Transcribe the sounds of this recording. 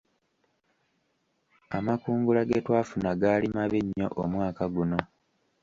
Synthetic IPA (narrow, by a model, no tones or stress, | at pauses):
amakuːŋɡulaɡe̞ːtwaːfunaɡaːlimaβeɲːo̰ʔomwaːkaɡuno̞